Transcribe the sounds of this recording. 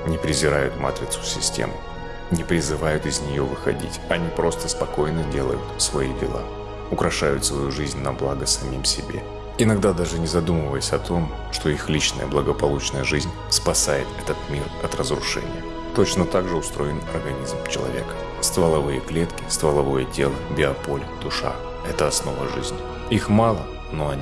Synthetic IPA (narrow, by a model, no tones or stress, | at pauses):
nʲɪpɾʲɪzʲɪɾajʊt̪ma̰t̪ɾʲɪt̪sʊ̥sʲɪsʲtʲḛmɨ | nʲɪpɾʲɪzɨvajʊt̪ɪzʲnʲɪjovɨxɐ̰dʲḭtʲɐnʲipɾo̞st̪əspɐko̞jnɨdʲe̞lˠə̰jʊt̪svɐidʲɪlˠa̰ | ʊkɾɐʂajʊt̪svɐjuʐɨzʲnʲnɐblˠaɡəsɐmʲimsʲɪbʲḛ | ɪnɐɡd̪ad̪aʐɨnʲɪzɐd̪uməvəjəsʲɐt̪ʰo̞m | ʂt̪o̞ixlʲit͡ɕnə̰jə̰blˠəɡəpɐlˠut͡ɕnəjəʐɨzʲnʲ | spɐsajɪt̪ɛt̪ət̪mʲirɐt̪rəzɾʊʂɛ̰nʲɪ̰jə | t̪o̞t͡ɕnət̪aɡʐɨʊst̪ɾo̞jɪnɐrɡɐnʲizmt͡ɕɪlˠɐ̰vʲe̞̰kə̥ | st̪vəlˠɐvɨjəklʲet̪kʲɪ̥st̪vəlˠɐvo̞jətʲe̞lˠəbʲɪɐpo̞lʲd̪̥ʊʂa̰ | ɛt̪əɐsno̞vəʐɨzʲnʲɪ | ixmalˠə | noɐ